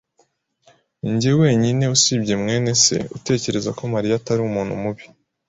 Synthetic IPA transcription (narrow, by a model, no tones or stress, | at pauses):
iɲɟewe̞ːɲine̞usibɟemŋe̞ːne̞se̞̰ute̞ːce̞ɾe̞zako̞maɾijataɾiumuːn̥hṵmuβi